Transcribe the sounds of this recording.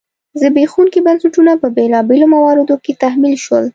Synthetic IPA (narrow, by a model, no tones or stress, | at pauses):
zəbexuŋkibansaʈunapəbelɑbelomawɑɾɪd̪oket̪ahmilʃwəl